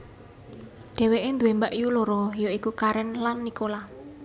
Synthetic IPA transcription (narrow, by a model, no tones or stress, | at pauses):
ɖ̪̥ɛ̤weʔend̪uembaʔjuloɾɔjoikukaɾɛnlanːikola